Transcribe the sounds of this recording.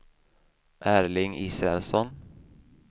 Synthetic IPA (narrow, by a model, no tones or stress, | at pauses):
ʔæːɾlɪŋiːsɾɛɛlsɔn